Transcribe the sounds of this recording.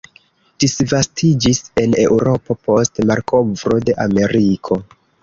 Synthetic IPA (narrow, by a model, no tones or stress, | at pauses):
d̥isvastʰid͡ʒise̞ne̞wɾo̞po̞po̞stmaɾkʰovɾo̞de̞ʔame̞ɾikʰo̞